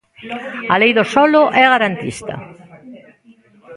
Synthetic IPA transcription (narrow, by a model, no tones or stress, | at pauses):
ɐlejðosɔlʊʔɛaɣaɾant̪ḭst̪ɐ̰